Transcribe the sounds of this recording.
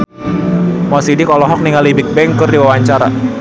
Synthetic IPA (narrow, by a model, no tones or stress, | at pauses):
mɔsidikɔlɔɦɔk̚niŋalibɪk̚bɛŋkɨrdiwawaɲt͡ʃaɾa̰